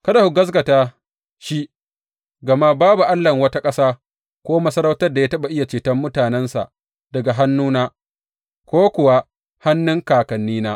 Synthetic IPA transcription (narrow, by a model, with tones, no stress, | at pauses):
kɐ˦da˨hu˨ɡɐ˦s̬ɡɐ˨taː˦ | ʃi˦ | ɡɐ˨ma˦baː˦bu˨ʔa˦lːɐ˨ŋwɐ˦ta˦kʼɐ˦saː˦ | kʷoː˦mɐ˦sɐ˦ɾɐ˦wtɐ˦rda˨ja˦tɐ˦ɓa˨ʔɪ˦ja˨t͡ʃeː˨tɐ˦mːʊ˦taː˨nɛ˦nsa̰˨ʔ | d̥ɐ˨ɡa˨ɦa˦nːuː˦naː˦ | kʷoː˦kʷʊ˨wa˦ | ha˦nːʊ˦ŋkaː˨kɐ˨nːiː˦naː˦